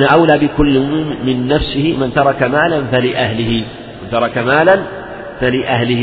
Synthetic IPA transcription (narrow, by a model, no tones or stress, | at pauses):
ʔanaʔawlaːbɪkʊlːmɪnːafsɪhɪmant̪ɑɾˤɑkamaːlanfalɪʔaɦlɪhɪ | mɪnt̪ɑɾˤɑkamaːlan | falɪʔahlɪh